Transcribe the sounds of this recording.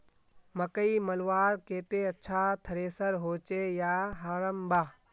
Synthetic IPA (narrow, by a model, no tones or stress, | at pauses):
mɐkəimɐlʋaːɾkeːt̪eɐtːʃʰat̪ʰɐɾeːsəɾɦoːt͡ʃejaːɦaɾəmbʱaː